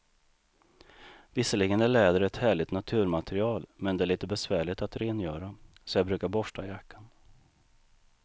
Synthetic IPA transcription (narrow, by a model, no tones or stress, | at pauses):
vɪsəlɪɡənæɭɛːd̪əɾɛt̪hæːɭɪt̪nat̪ʰʉ̟ːɾmat̪ʰɛɾɪɑːlmɛnd̪ɛæɭiːt̪əbɛsvæːɭɪt̪at̪ɾeːnjœːɾasɔjɑbɾʉ̟ːkaɾbɔʂʈajakʰːan